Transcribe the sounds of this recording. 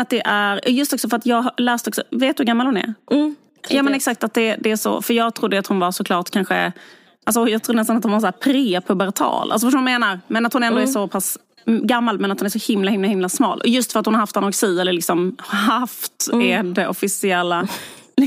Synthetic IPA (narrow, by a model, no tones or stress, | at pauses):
at̪̚d̪ɛʔæɾɔjɵst̪ɔksɔfœɾat̪jɑːɡɦlæːst̪əɔksɔ̰veːt̪ɵːhaɡamːalhʊnɛ̰ɾ | jːmɛnaɛksakt̪at̪̚d̪ɛd̪ɛæʂɔ̰fœɾjɑːɡt̪ʰɾʊd̪ːəat̪hʊnvaɾʂɔkʰlɑːʈkʰanɧə̰ | als̬ɔjɑːɡt̪ʰɾuːnɛst̪ant̪hʊnvaɾs̬ɔæːɾpʰɾeːpʰɵbɛɾt̪ʰɑ̰ːlʔa̰sɔfœʂ̬onnmeːnaɾmɛnat̪hʊnɛnd̪ɔɛʂɔpʰas | ɡamːalmɛnat̪hʊnɛɾʂsɔhɪmlahɪmlahɪmlasmɑ̰ːlʔɔjɵst̪fœɾt̪hʊnhaɾhaft̪anɔɾksiːɛlːəɭɪksɔmɦaft̪ɛd̪ɛʔɔfɪsɪɛlːa